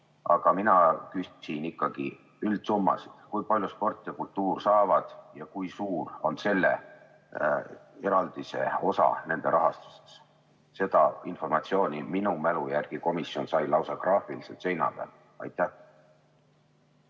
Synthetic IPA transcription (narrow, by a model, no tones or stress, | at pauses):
ɑɡ̥ɑminɑkyssinikːɑɡ̥ḭ | yld̪̥sumːɑ̰si̥d̪̥kujpɑlʲjuspo̞rt̪ˑːijɑkult̪ːuːrsɑːvɑd̪̥jɑkujsuːro̞nse̞lːḛ | e̞ɾɑld̪̥ise̞̰o̞sɑ̰ne̞nd̪̥e̞ɾɑɦɑst̪u̥st̪e̥s | se̞d̪̥ɑinfo̞rmɑt̪sio̞ːnʲiminumælujærɡ̥iko̞misjo̞nsɑjlɑwsɑɡ̥rɑːfilisḛt̪se̞jnɑ̰b̥æ̰l | ɑ̰jt̪ːˑæh